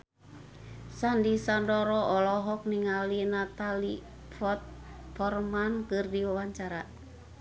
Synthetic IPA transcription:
sandisandɔɾɔʔɔlɔɦɔk̚niŋalinat̪ali | fɔt̪̚fɔrmankɨrdiwawaɲt͡ʃaɾa

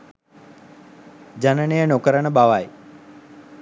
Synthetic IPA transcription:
d͡ʒanənejənokəɾənəbaʋaj

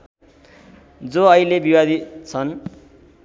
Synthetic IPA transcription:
d͡zoʌilebiwad̪it̪t͡sʰʌn

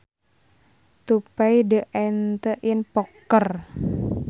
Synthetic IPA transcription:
t̪upaidəʔant̪əʔinpɔkːər

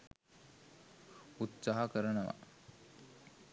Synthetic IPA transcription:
ut̪saːɦɐkəɾənəʋa̰

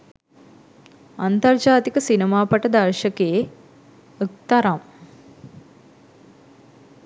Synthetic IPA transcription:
ant̪ɐrd͡ʒaːt̪ikəsinemaːpɐʈəd̪ɐrʃəkeː | ək̚t̪ɐɾam

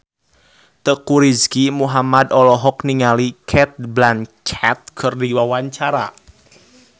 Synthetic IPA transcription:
t̪əkuɾiskimuɦamad̪ɔlɔɦɔkniŋalikʰɛt̪̚blant͡ʃʰat̪̚kʰərdiwawaɲt͡ʃaɾa̰

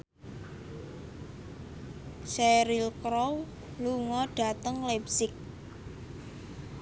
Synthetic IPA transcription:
sɛɾilkɾow | luŋɔɖ̥a̤t̪əŋlɛbsɪk̚

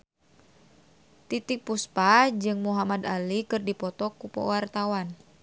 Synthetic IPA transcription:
t̪it̪ik̚puspad͡ʒɨŋmuɦamad̪alikɨrdipɔt̪ɔkupɔ̰wart̪awan

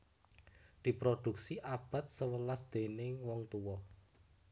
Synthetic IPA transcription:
d̪̥i̤pɾod̪̥ṳk̚siʔab̥a̤t̪̚səwəlasd̪̥e̤nɪŋwɔŋt̪uwɔ

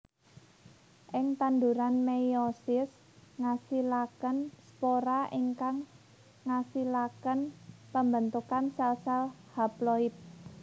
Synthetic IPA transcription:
ʔɪŋt̪and̪uɾanmejɔsɪs | ŋasilakənspoɾaʔiŋkaŋː | asilakənpəmbənt̪ukansɛlsɛl | haplɔit̪̚

